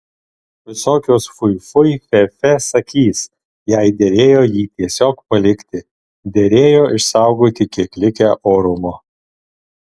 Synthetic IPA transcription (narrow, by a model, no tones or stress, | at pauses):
ʋʲɪsoːkʲoːsfʊɪfʊɪfʲɛfʲɛsɐkʲiːs | jɛɪd̪ʲɛɾʲeːjoːjiːt̪ʲiɛsʲoːkpɐlʲɪkʲt̪ʲɪ | d̪ʲɛɾʲeːjoːʔɪʃsɑˑʊɡoːt̪ʲɪkʲiɛklʲɪkʲæːʔoːɾʊmo